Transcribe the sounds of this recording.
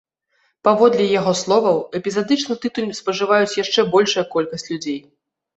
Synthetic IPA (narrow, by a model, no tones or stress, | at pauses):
pavɔd̪lʲɛjaɣɔslˠɔvɐwɛpʲizad̪ɨt͡ʂnɨt̪ɨt̪ulʲspɐʐɨvajut͡sʲjaʂt͡ʂɛbɔlʲʂujɐkɔlʲkɐsʲt͡sʲlʲud͡zʲej